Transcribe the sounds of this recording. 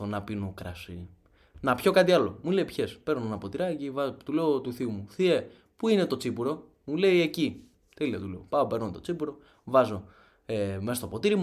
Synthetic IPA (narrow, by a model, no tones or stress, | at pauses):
onɐpinokɾɐsi | nɐpço̞kɐt̪iɐlo̞mule̞ipçe̞spe̞ɾnonɐpo̞t̪iɾɐcivɐt̪ule̞ot̪uθiumuθie̞ | puine̞t̪o̞t͡sipuɾo̞ | mule̞ie̞ci | t̪elit̪ɐt̪uleopɐope̞ɾnot̪o̞t͡sipuɾo̞ | vɐzo̞ | emesɐst̪o̞po̞t̪iɾimu